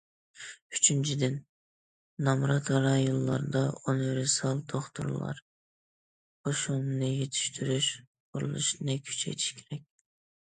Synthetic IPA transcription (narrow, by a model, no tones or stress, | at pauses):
yt͡ʃʰynt͡ʃʰid̪ɪnː | ɑmɾɑt̪ʰɑɾɑjulˠːɑ̰ɾd̪ɑonɾsɑlˠt̪ʰoχt̪ṵɾlˠɑ̰ɾ | qʰoʃunnɨjet̪ʰi̥ʃt̪ʰyɾyʃ | qʰuɾṵlˠɨ̰ʃnɨkʲʰy̥t͡ʃʰḛjt̪ʰi̥ʃkʲʰeɾɛk̚ʲ